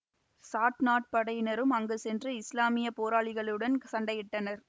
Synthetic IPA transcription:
saːʈnaːʈ̚pɐɽɐjnɐɾɯmɐŋɡɯsɛndrɯɪslaːmɪjɐpoːɾaːɭɪɣɐɭɯɽɐnsɐɳɖɐjɪʈːɐnɐɾ

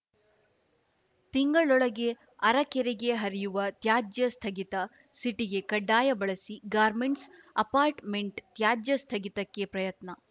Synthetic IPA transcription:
t̪iŋɡɐɭɔɭɐɡe̞ | ɐɾɐkɛɾeɡe̞ɦɐɾijuʋɐt̪jaːd͡ʒjɐst̪ʰɐɡit̪ɐ | siʈiɡe̞kɐɖːaːjɐbɐɭɐsiɡaːɾmeɳʈsɐpaːɾʈmeɳʈt̪jaːd͡ʒjɐst̪ʰɐɡit̪ɐkːepɾɐjɐt̪nɐ

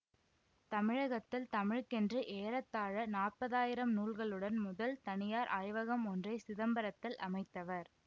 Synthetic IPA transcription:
t̪ɐmɪɻɐɣɐt̪ːɪlt̪ɐmɪɻkɛndrɯʔeːɾɐt̪ːaːɻɐnaːrpɐðaːjɪɾɐmnuːɭɣɐɭɯɽɐnmʊðɐlt̪ɐnɪjaːɾʔaːjʋɐɣɐmɔndrɐɪsɪðɐmbɐɾɐt̪ːɪlʔɐ̰mɐɪt̪ːɐʋɐɾ

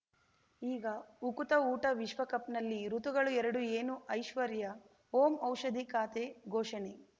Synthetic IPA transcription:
iːɡɐukut̪ɐuːʈɐʋiʃʋɐkɐpnɐlːiɾut̪uɡɐɭuɛɾɐɽueːnuʔɐjʃʋɐɾjɐ | ɦoːmɐwʃɐd̪ʱikaːt̪eɡʱoːʃɐne

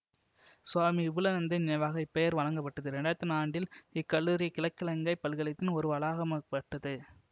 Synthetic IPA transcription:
sʊwaːmiɪʋɯlɐnɐnd̪ɯnɐʋaːɣɐɪpːɛjɐɾʋɐɭɐŋɡɐpːɐʈːɐðɯɾɛɳɖaːt̪ːɯnaːɳɖɪlɪkːɐɭːuːɾɪjɐkɪlɐkːɪlɐŋɡɐɪpːɐlɣɐɭɪt̪ːɪnɔɾɯʋɐlaːɣɐmɐpːɐʈːɐðɯ

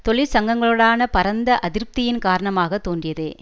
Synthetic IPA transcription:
t̪ɔɭɪɾsɐŋɡɐŋɡɐɭɯɽaːnɐpɐɾɐnd̪ɐʔɐðɪɾp̚t̪ɪjɪnkaːɾɐɳɐmaːɣɐt̪ːoːndrɪjɐðɯː

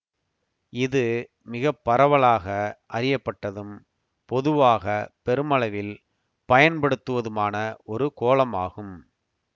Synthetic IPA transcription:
ɪðɯ | mɪɣɐpːɐɾɐʋɐɭaːɣɐʔɐrɪjɐpːɐʈːɐðɯm | pɔðɯʋaːɣɐpɛɾɯmɐɭɐʋɪl | pɐjɐnpɐɽɯt̪ːɯʋɐðɯmaːnɐʔɔɾɯkoːlɐmaːɣɯm

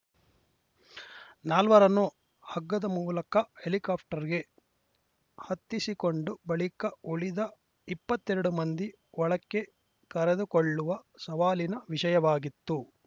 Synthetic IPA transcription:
naːlʋɐɾɐnu | hɐɡːɐd̪ɐmuːlɐkɐhelikaːp̚ʰʈɐɾiɡe̞ | hɐt̪ːisikoɳɖubɐɭikɐoɭid̪ɐ | ipːɐt̪ːeɾɐɽumɐnd̪i | ɔɭɐkːe̞ | kɐɾed̪ukoɭːuʋɐsɐʋaːlinɐʋiʂɐjɐʋaːɡit̪ːu

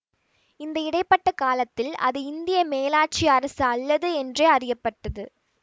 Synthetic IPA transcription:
ɪnd̪ɐɪɽɐɪpːɐʈːɐkaːlɐt̪ːɪlɐ̰ðɯɪnd̪ɪjɐmeːlaːʈ̚t͡ʃiɐɾɐsɐːlːɐðɯɛndreɐrɪjɐpːɐʈːɐðɯ

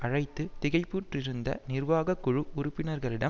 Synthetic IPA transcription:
ʔɐɻɐɪt̪ːɯt̪ɪɣɐɪpːuʈrɪɾɯnd̪ɐ̰nɪɾʋaːɣɐkːʊɻɯʊɾʊpːɪnɐɾɣɐɭɪɽɐ

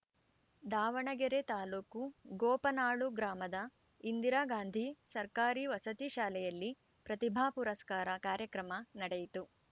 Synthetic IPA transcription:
d̪aːʋɐɳɐɡɛɾet̪aːluːkuɡɔːpɐnaːɭuɡɾaːmɐd̪ɐ | ind̪iɾaːɡaːnd̪ʱisɐɾkaːɾiʋɐsɐt̪iʃaːlɛjɐlːi | pɾɐt̪ibʱaːpuɾɐskaːɾɐkaːɾjɐkɾɐmɐnɐɽejit̪u

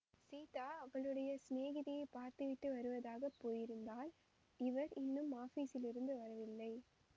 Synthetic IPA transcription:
siːt̪aːɐŋɐɭɯɽɐjɐsneːɣɪðɪjɐɪpaːɾt̪ɯʋɪʈːɯʋɐɾɯʋɐðaːɣɐpːoːjɪɾɯnd̪aːl | ɪʋɐɾɪnːɯmaːfiːsɪlɪɾɯnd̪ɯʋɐɾɐʋɪlːɐɪ

